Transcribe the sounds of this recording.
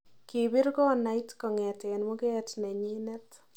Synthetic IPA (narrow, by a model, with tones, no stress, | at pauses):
ki˨bɪ˦ɾkɔ˦na˦jtkɔ˨ŋɛ˨tɛ˨nmʊ˦kɛ˦tnɛ˨ɲi˦nɛ˦t